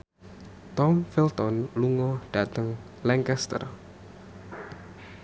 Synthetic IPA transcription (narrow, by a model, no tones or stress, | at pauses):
t̪ɔmfilt̪ɔnluŋɔɖ̥at̪əŋ | lɛŋkɛst̪ə̰r